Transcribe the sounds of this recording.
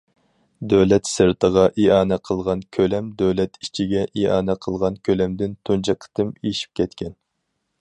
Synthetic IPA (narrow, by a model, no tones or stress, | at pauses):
d̪øwlɛt̪sɨɾt̪ʰəʁɑʔiɑːnɛqʰəlˠʁɑnkʲʰølɛmd̪øwlɛt̪it͡ʃʰiɡʲɛʔiɑːnɛqʰəlˠʁɑnkʲʰølɛmd̪ɪnt̪ʰunt͡ʃʰɑqʰə̥t̪ɨmeʃi̥p̚kʲʰɛt̪kʲʰɛn